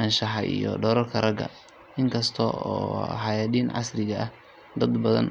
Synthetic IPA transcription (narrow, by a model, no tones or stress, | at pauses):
ɐnʃɐɦɐʔḭjɔ̰ɖɔːɾɐrkʰɐrɐɡɐ̰ | ʔɪŋkʰɐst̪ʰɔɔːħɑjaːd̪iːnʕɑ̰srɪɣɐʔɐh | d̪ɐd̪bɐðɐ̰n